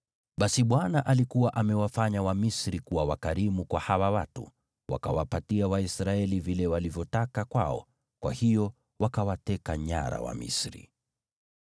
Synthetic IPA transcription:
ɓasiɓwanaʔalikuwaʔamɛwafaɲawamisɾikuwawakaɾimukwahawawatṵ | wa̰ka̰wapatiawaisɾaɛlivilɛwalivjɔtakakwaɔ̰ | kwʔa̰hijɔ | wakawatɛkaɲa̰ɾa̰wa̰mḭsɾḭ

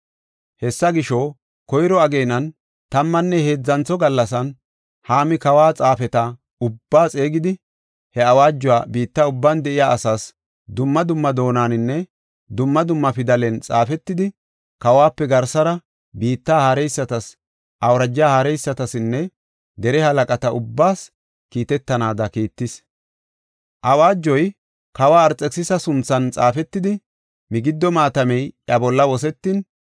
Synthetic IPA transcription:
hɛsːɐɡɪʃɔ | kɔjɾɔɐɡe̞ːnɐn | t̪ɐmːɐnːɛhe̞ːd͡zːɐnt͡sːɔɡɐlːɐsɐn | haːmɪkɐwaːt͡sʼaːfɛt̪ɐ | ʊbːaːt͡sʼeːɡɪd̪ɪ | hɛɐwaːd͡ʒːʊwa̰ːbiːt̪ːaʊbːand̪ɛʔɪjaːʔɐsaːs | d̪ʊmːɐd̪ʊmːɐd̪o̞ːnaːnɪnːɛ | d̪ʊmːɐd̪ʊmːɐfɪd̪ɐlɛnt͡sʼa̰ːfɛt̪ːɪd̪ɪ | kɐwaːpːɛɡɐɾsɐɾɐ | biːt̪ːaːhaɾɛjsːɐt̪ɐs | ʔɐwɾɐd͡ʒːaːhaɾɛjsːɐt̪ɐsɪnːɛ | d̪ɛɾɛhɐlɐkʼɐt̪ɐʔʊbːaːs | kiːt̪ɛt̪ːɐnaːd̪ɐkiːt̪ːɪs | ʔɐwaːd͡ʒːɔj | kɐwaːɾt͡sʼːɛksɪsɐsʊnt͡sːɐnt͡sʼaːfɛt̪ːɪd̪ɪ | mɪɡɪd̪ːɔmaːt̪ɐmɛjʔɐbɔlːɐwɔsɛt̪ːɪn

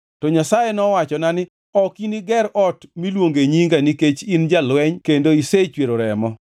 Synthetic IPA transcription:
tɔɲasajenɔwat͡ʃɔnanɪ | ɔkiniɡɛɾɔtmilwoŋɡeɲiŋɡaniket͡ʃind͡ʒalwɛɲkendoiset͡ʃweɾoɾɛmɔ

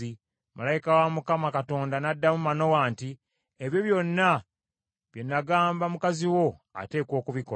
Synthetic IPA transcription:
i | malajikawamukamakato̞ːndanadːamumano̞waːnti | eβjo̞βjo̞nːa | βje̞nːaɡaːmbamukaziwo̞a̰te̞ːkwo̞ːkuβiko

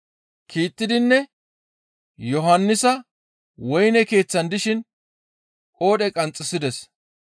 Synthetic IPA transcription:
kʰiːt̪ːɪd̪ɪnːɛ | jɔɦɐnːɪsɐ | wɔjnɛke̞ːt͡sːɐnd̪ɪʃɪn | kʼo̞ːɗɛkʼɐnt͡sʼːɪsɪd̪ɛs

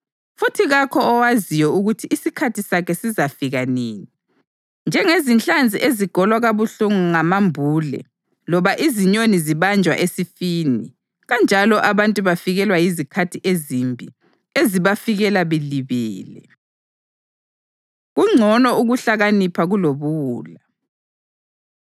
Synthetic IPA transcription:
futʰiɣakʰɔːwazijɔuɣutʰiʔːsikʰatʰisakʰɛsizafiɣaniːni | nd͡ʒʱɛŋezint͡ɬʼand͡zʱiʔeziɡ̥ʱɔlwaɣaβuɬuŋuŋamambʱuːlɛ̰ | lɔβaʔiziɲoniziβand͡ʒʱwa̰ʔesifiːnḭ | ɣand͡ʒʱalɔʔaβantʼuβafiɣɛlwajizikʰatʰiʔezimbʱḭ | eziβafiɣɛlaβɛliβɛːlɛ̰ | ɣuŋ͡ǀʱɔnɔuɣuɬaɣanipʰaɣuloβuuːla

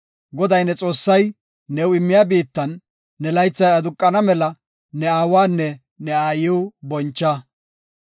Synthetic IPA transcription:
ɡɔd̪ɐjnɛt͡sʼo̞ːsːɐjː | ɛwɪmːɪjaːbiːt̪ːɐnː | ɛlɐjt͡sːɐjɐd̪ʊkʼːɐnɐmɛlɐ | nɛaːwaːnːɛ | nɛaːjɪwʊbɔnt͡ʃːɐ

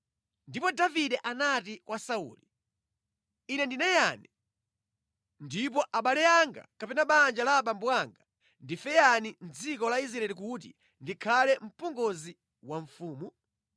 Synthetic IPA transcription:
ndipɔdaviɗɛʔanatikwʔasaṵːli | inɛndinɛjani | ndip̬ɔʔaɓalɛjaŋɡa̰kapɛnaɓand͡ʒalaɓambuaŋɡa | ndifɛjanin̩d͡zikɔlais̬ɾaɛlik̬utḭ | ndikʰalɛm̩pɔŋɡɔzi | waɱfuːmu

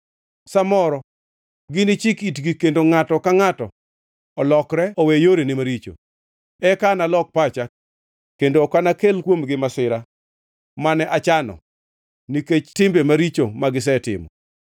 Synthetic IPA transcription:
samɔɾɔ | ɡɪnɪt͡ʃɪkitɡikendoŋatɔkaŋatɔ | ɔlɔkɾɛɔwejoɾenɪmaɾit͡ʃo̰ | ɛkanalɔk̚pat͡ʃak | kendoːkanakelkwomɡɪmasɪɾa | manɛʔat͡ʃanɔ̰ | niket͡ʃtɪmbemaɾit͡ʃomaɡɪs̬ɛtɪ̰mɔ̰

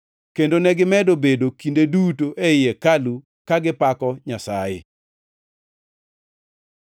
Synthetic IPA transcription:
kendonɛɡɪmɛdobedokindedutoʔeɪjekalu | kaɡɪpakɔɲasajɪ̰

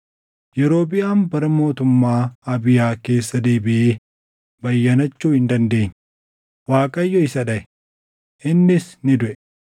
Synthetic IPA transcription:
jɛɾo̞ːbɪjaːnbɐɾɐmo̞ːt̪ʊmːaːɐbɪjaːke̞ːsːɐd̪e̞ːbɪʔeː | bɐjːɐnɐt͡ʃːuːhɪnd̪ɐnd̪e̞ːɲː | waːkʼɐjːɔɪsɐᶑɐʔɛ̥ | ʔɪnːɪsnɪd̪ʊʔɛ

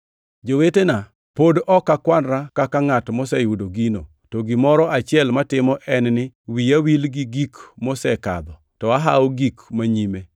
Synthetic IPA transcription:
d͡ʒowetena | podɔkːakwanɾakakaŋatmɔsɛjudoɡino̰ | tɔɡɪmɔɾɔʔat͡ʃɪɛlmatɪmɔʔɛnnɪwiawilɡɪɡikmɔsɛka̰d̪ɔ | tɔaɦaoɡikmaɲime

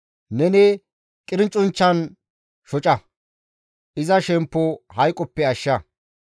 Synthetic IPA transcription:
nɛne | kʼɪɾɪnt͡ʃʼʊnt͡ʃːɐn | ʃɔt͡ʃʼɐ | ʔɪzɐʃɛmpːɔhɐjkʼːɔpːɛɐʃːɐ

